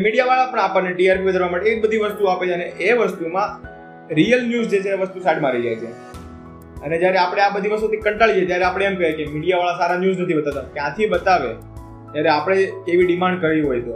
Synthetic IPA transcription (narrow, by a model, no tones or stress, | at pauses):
miɽijaʋaɭapəɳapəneɖiaɾpiʋəd̪ʱəɾʋamaʈeek̚bəd̪ʱiʋəst̪uapet͡ʃʰeəneʔeʋəst̪umã | ɾijəlnjuzd͡ʒet͡ʃʰeʋəst̪usaʈmãɾid͡ʒa̰jt͡ʃʰḛ | əned͡ʒjaɾeapɽ̃eabəd̪ʱiʋəst̪ut̪ʰikəɳʈaɭid͡ʒet̪jaɾeapɽ̃eemkəekemiɽijaʋaɭasaɾanjuznət̪ʰibət̪at̪akjãt̪ʰibət̪aʋḛ | t̪jaɾeapəɽ̃ekeʋiɖimãɳɖkəɾiɦojt̪o